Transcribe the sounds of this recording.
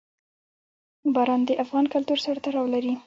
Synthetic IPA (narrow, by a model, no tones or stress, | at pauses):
bɑɾɑnd̪əʔafɣɑnkʊlt̪uɾsaɾt̪aɾɑwlaɾi